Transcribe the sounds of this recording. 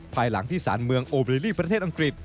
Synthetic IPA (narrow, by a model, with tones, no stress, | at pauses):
pʰaː˧jla̰˩˦ŋt̪ʰiː˥˩saː˩˦nmɯ˧əŋʔoː˧bɾeː˧liː˥˩pɾa˧t̪ʰeː˥˩t̪ʔa˧ŋkɾi˨˩t̪̚